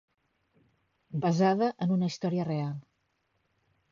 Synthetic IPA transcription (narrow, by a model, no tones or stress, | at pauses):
bəzaðəʔənunəist̪ɔɾiərealˠ